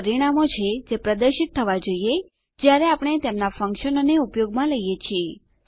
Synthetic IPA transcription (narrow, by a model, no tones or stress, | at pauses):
əɾiɽ̃amot͡ʃʰed͡ʒepɾəd̪əɾʃit̪ʰːəʋad͡ʒoie | d͡ʒjaɾeapɽ̃et̪emnafə̃ŋkʃənoneupjoɡmãləijet͡ʃʰie